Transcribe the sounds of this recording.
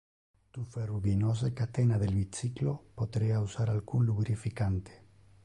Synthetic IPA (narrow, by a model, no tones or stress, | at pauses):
t̪uferuβinosekat̪enaðelβit͡siklopoðɾeausaɾalɣunluβɾifikant̪e̥